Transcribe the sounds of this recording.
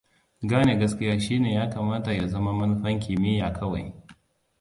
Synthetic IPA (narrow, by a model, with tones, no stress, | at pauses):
ɡaː˦ne˨ɡɐ˦skʲɪ˦jaː˦ʃiː˦neː˨jaː˦kaː˨maː˦ta˨ja˨zɐ˦ma˦mɐ˦n˦ɸɐ˦ŋkʲiː˨mɪ˦jaː˨kɐ˦wa̰˨j